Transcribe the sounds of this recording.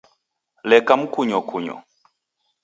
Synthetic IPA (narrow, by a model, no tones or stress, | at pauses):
lɛkam̩kuɲɔkʰuɲɔ̰